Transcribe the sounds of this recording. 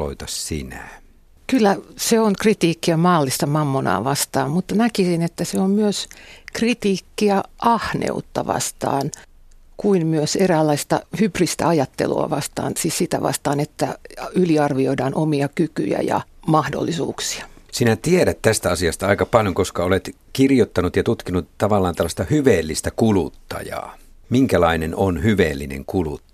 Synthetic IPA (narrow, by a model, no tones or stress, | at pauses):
o̰it̪ɑssḭnæ | kylːæseoŋkrit̪iːkːiæmɑːlːist̪ɑmɑmːonɑ̰ːʋɑst̪ɑ̰ːmmut̪ːɑnækisinet̪ːæseommyøskrit̪iːkːiæʔɑhnḛut̪ːɑʋɑ̰st̪ɑ̰ːn | kuinmyøseræːlːɑist̪ɑ̰hyprist̪æ̰ɑjɑt̪ːḛlṵɑ̰ʋɑst̪ɑ̰ːnsiːssit̪æ̰ʋɑ̰st̪ɑːnet̪ːæ̰yliɑrʋioidɑːnʔomiɑkyky̰jæ̰jɑ̰mɑhdo̰lːisṵːksi̥ɑ̥sinæt̪ieɾæt̪t̪æst̪æɑsiɑst̪ɑɑikɑpɑljoŋkoskɑolet̪ | kirjot̪ːɑnut̪jɑt̪ut̪kinut̪t̪ɑʋɑlːɑːnt̪ɑlːɑst̪ɑhyʋeːlːist̪ækulut̪ːɑ̰jɑ̰ː | miŋkælɑinenonhyʋeːlːinḛŋkulṵt̪ː